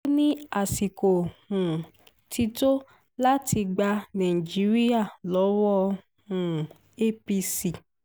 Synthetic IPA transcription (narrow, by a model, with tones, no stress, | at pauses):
nĩ˦a˦˨si˨ko˨hũ˨ | tʰi˧to˦ | la˦tʰi˧ɡ͡ba˧nã˨ĩ˨d͡ʒi˨˦ɾi˦a˦˨lɔ˨˦wɔ˦ | hũ˨ | e˦pi˧si˨